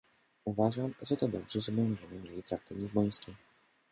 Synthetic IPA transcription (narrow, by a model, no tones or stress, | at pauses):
uvaʐamʐɛt̪ɔd̪ɔbʐɛʐɛbɛɲd͡ʑɛmɘmʲjelʲit̪ɾak̚t̪at̪ɲʲizbɔj̃skʲi